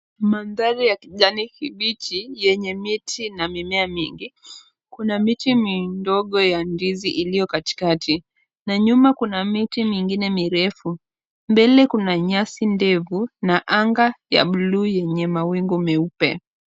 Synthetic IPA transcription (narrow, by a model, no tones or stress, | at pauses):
manðaɾijakiʄanikiɓit͡ʃijɛɲɛmitʰinamimɛamiŋɡi | kunamitimindɔɠɔjandiziʔilijɔkati̥katʰi | naɲumakunamitimiŋɡinɛmiɾɛfu | mbɛlɛkunaɲasindɛvunaʔaŋɡaja̰ɓuluːjɛɲɛmawiŋɡumɛupɛ̰